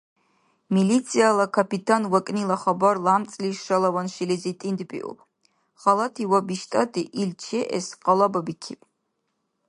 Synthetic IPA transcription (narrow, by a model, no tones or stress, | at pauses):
milit̪sʰialakʰapit̪ʰanwakʼnilaχabaɾlamt͡sʼliʃalˠawanʃilizit̪ʼind̪pʼḭʔṵp | χalat̪ʰiwabiʃt̪ʼat̪ʰʼiʔilt͡ʃʰɛʔɛ̰sqʼalˠababikʰḭpʼ